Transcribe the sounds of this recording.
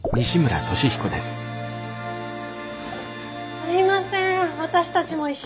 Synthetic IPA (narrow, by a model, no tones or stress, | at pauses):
mʲiɕimɯ̟ɾa̰t̪o̞ɕiçi̥ko̞d̪e̞sɨ̥ | sɨɾʲimasẽβat̪aɕi̥t̪at͡ɕimo̞iɕ